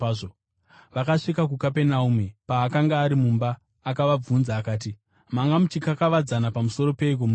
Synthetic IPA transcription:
o | ʋakaʂikakukape̞naumepaːkaŋɡaːɾimumbaː | kaʋab͡vunzaːkaːt̬i | maŋɡamut͡ʃikakaʋad͡zanapamuso̞ɾo̞pe̞ik̬omu

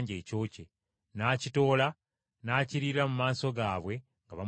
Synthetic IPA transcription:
ɲɟe̞ːco̞ːce | naːcito̞ːla | naːciɾiɾamumaːso̞ɡaːβwe̞ | ŋɡaβa

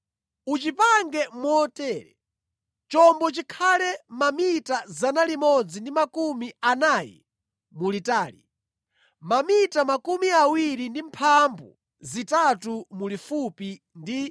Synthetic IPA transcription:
ut͡ʃipaŋɡɛmɔtɛːɾɛ | t͡ʃɔmbɔt͡ʃikʰalɛmamitazanalimɔd͡zindimakumianaːjɛ̰ | mulitaːlḭ | mamitamakumiawiɾindimpʰambṵ | zitatumulifupi | ndi

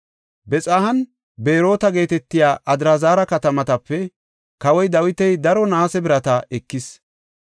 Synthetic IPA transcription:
bɛt͡sʼaːhɐn | be̞ːɾo̞ːt̪ɐɡe̞ːt̪ɛt̪ːɪjaːʔɐd̪ɪɾɐzaːɾɐkɐt̪ɐmɐt̪ɐpːɛ | kɐwɔjd̪ɐwɪt̪ɛjd̪ɐɾɔnaːsɛbɪɾɐt̪ɐɛkːɪs

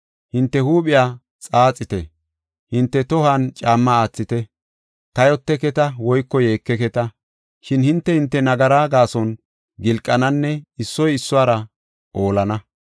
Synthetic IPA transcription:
hɪnt̪ːɛhuːpʼɪjaː | t͡sʼaːt͡sʼːɪt̪ɛ | hɪnt̪ːɛt̪ɔhaːnt͡ʃʼaːmːɐaːt͡sːɪt̪ɛ | t̪ɐjɔt̪ːɛkɛt̪ɐwɔjkːɔje̞ːkːɛkɛt̪ɐ | ʃɪnhɪnt̪ːɛhɪnt̪ːɛnɐɡɐɾaːɡaːsɔn | ɡɪlkʼːɐnɐnːɛɪsːɔjɪsːʊaːɾɐ | ʔo̞ːlɐnɐ

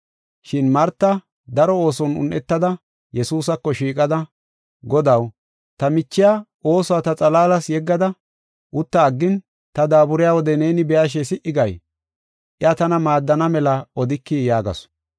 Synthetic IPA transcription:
ʃɪnmɐɾt̪ːɐ | d̪ɐɾɔo̞ːsɔnʊ̰nʔɛt̪ːɐd̪ɐ | jɛsuːsɐkːɔʃiːkʼɐd̪ɐ | ɡɔd̪ɐw | t̪ɐmɪt͡ʃːɪja | o̞ːsɔwat̪ɐt͡sʼɐlaːlɐsjɛɡːɐd̪ɐ | ʔʊt̪ːɐːɡːɪn | t̪ɐd̪aːbʊɾɪjaːwɔd̪ɛne̞ːnɪbɛjaʃ̬ɛsɪʔɪɡɐj | ʔɪɐt̪ɐnɐmaːd̪ːɐnɐmɛlɐɔd̪ɪkːijaːɡɐ̰s

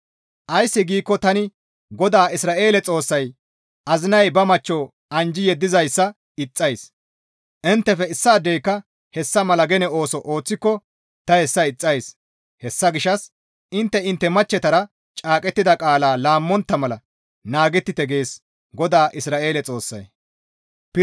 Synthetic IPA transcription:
ʔɐjsːɪɡiːkːɔt̪ɐnɪ | ɡɔd̪aːɪsɾaːʔe̞ːlɛt͡sʼo̞ːsːɐj | ʔɐzɪnɐjbɐmɐt͡ʃːoː | ɐnd͡ʒɪjɛd̪ːɪzɐjsːɐ | ɪt͡sʼːɐjs | ʔɪnt̪ːɛfɛɪsːɐːd̪ːɛjkːɐ | hɛsːɐmɐlɐɡɛnɛo̞ːsɔʔo̞ːt͡sːɪkːɔ | t̪ɐhɛsːɐɪt͡sʼːɐjs | hɛsːɐɡɪʃɐs | ʔɪnt̪ːɛɪnt̪ːɛmɐt͡ʃːɛt̪ɐɾɐ | t͡ʃʼaːkʼɛt̪ːɪd̪ɐkʼaːlaːlaːmːɔnt̪ːɐmɐlɐ | naːɡɛt̪ːɪt̪ɛɡe̞ːs | ɡɔd̪aːʔɪsɾaːʔe̞ːlɛt͡sʼo̞ːsːɐ̰j | p

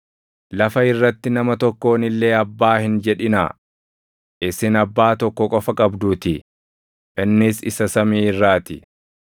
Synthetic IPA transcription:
lɐfɐɪrːɐt̪ːɪnɐmɐt̪ɔkːo̞ːnɪlːe̞ːɐbːaːhɪnd͡ʒɛᶑɪna̰ː | ʔɪsɪnɐbːaːt̪ɔkːɔkʼɔfɐkʼɐbd̪uːt̪ɪ | ʔɪnːɪsɪsɐsɐmiːɪrːaːt̪ɪ

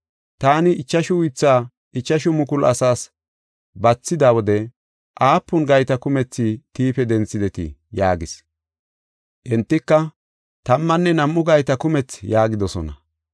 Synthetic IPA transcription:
t̪aːnɪɪt͡ʃːɐʃʊwʊjt͡sːaː | ɪt͡ʃːɐʃʊmʊkʊlʔɐ̰saːs | bɐt͡sːɪd̪awɔd̪ɛ | ʔaːpːʊnɡɐjt̪ɐkʊmɛt͡sːɪt̪iːpɛd̪ɛnt͡sːɪd̪ɛt̪ɪ̰jaːɡɪs | ʔɛnt̪ːɪkːɐ | t̪ɐmːɐnːɛnɐmːʊɡɐjt̪ɐkʊmɛt͡sjaːɡɪd̪ɔsɔnɐ̰

